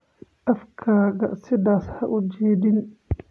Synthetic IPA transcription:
ʔɐfkʰɐɡɐsɪðaːshɐʔʊd͡ʒɛːd̪ɪn

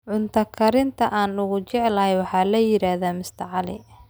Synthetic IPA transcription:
ʕʊnt̪ʰɐkʰɐɾɪnt̪ʰɐʔaːnʊɣʊt͡ʃɛʕɛlɐhɛjwɑħɑːlɐjɪɾaːðaːmɪst̪ʰɐʕɑlɪ̰

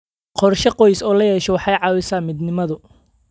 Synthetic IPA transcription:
qʰɔrʃɐqɔjsɔːlɐjɛːʃɔwɑħɑjʕɑːwɪsaːmɪd̪nɪmɐðʊ

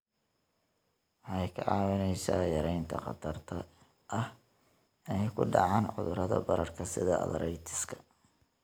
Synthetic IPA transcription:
wɑħɑjkʰɐʕɑːwɐnɛjsa̰ːjɐɾɛjnt̪ʰɐqɑ̰t̪ʰɐrt̪ʰɐ | ʔɐh | ɪnɛjkʰʊɖɑʕɑːnʕʊ̰ðʊɾɐðɐ̰bɐɾɐrkʰɐsɪðɐʔɐ̰ðɐɾɛjt̪ʰɪ̥skʰɐ̥

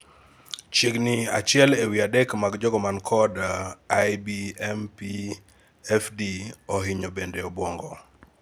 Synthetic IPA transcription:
t͡ʃeɡnɪa̰t͡ʃɪɛlewiadɛkmaɡd͡ʒɔɡɔmankʰɔdajbiɛmpi | ɛfdiɔɦɪɲobendeɔbwɔŋɡɔ

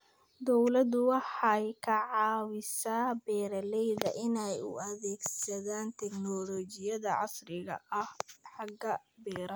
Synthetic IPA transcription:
d̪ɔwlɐd̪ʊwɑħɑjkʰɐʕɑːwɪsaːbɛːɾɐlɛjðɐʔɪnɛjʊ̰ɐðɛːɡsɐðaːnt̪ʰɛɡnɔlɔːt͡ʃɪjɐðɐʕɑ̰srɪɣɐ̰ʔɐhħɑɡɐbɛːɾɐ

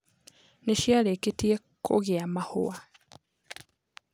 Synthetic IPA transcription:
neʃjaleketie | kʰo̰ɣeamahoa

